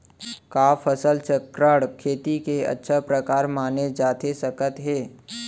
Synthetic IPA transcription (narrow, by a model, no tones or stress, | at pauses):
kaːfəsəlt͡ʃəkɾəɽkʰeːt̪ikeɐ̰tːʃʰapɾəkaːɾmaːned͡ʒaːt̪esəkət̪ɦɛː